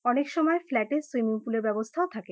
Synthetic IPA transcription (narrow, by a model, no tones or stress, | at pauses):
ɔnekʃɔmɔeflɛʈesɾimiŋpuleɾbɛbost̪ʰaot̪ʰake